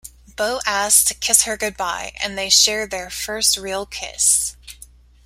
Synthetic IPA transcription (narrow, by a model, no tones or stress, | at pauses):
b̥oʊʔæstʰɨ̥kʰɪshə˞ɡʊd̚baɪɨ̰̃nðeɪʃɛɹ̚ðə˞fɜ˞st̚ɹilˠkʰɪ̰s